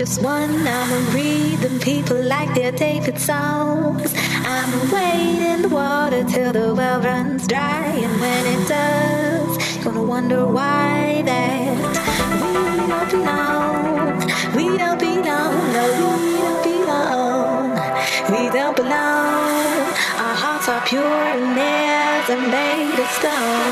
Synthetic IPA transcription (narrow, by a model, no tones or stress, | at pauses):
ʌst̚wʌ̃naɪ̃mɨ̃nɹid̚ɨ̃mpʰipʰl̩ˠlaɪk̚ðə˞tʰeɪvɨtsãʊ̃nz̥ | ʔãɪ̃mɨweɪɾɪ̃nðəwɔɾə˞tʰɪlˠðəwɛlˠdɹʌ̃nzdɹaɪɨ̃nwɨ̃nɪt̚d̥ʌ | z̥jɨɡ̥ʌnəwʌ̃ndə˞waɪ | ðæ | t̚ | wi | dõʊ̃nb̥ilo | ʊ | ŋ | wiɾõʊ̃nb̥ilɔ̃ŋnoʊwwiɾõʊ̃nb̥ilɔ | ŋ | widõʊ̃nb̥iloʊ̃ | ʔaəhɑɹtsə˞pʰj̥ʊɹɨ̃nɛ | zɨ̃nbeɪ | ðɨstoʊ̃n